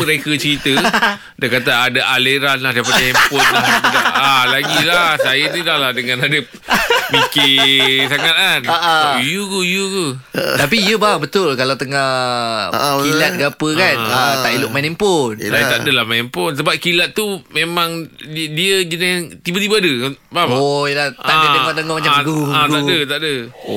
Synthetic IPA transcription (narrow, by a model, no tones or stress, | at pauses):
pəɾekət͡ʃəɾit̪ə | diakat̪aadaʔaleɾanlahdaipatɛmpɔnaaalaɡilahsajənidahlahdəŋãnadə | mikesaŋat̪̚anaʔajukəjukət̪apiijəbabət̪ʊlkalawt̪əŋah | kilat̪̚ɡapəkanat̪aʔilʊʔ̚manɛmpʊnsajət̪aʔdəlamanɛmpʊns̬əbap̚kilat̪̚t̪ːumemãŋdiəd͡ʒənɪst̪ibət̪ibaadəkbaojəlat̪adəemat̪əŋɔmat͡ʃaat̪adət̪aʔdə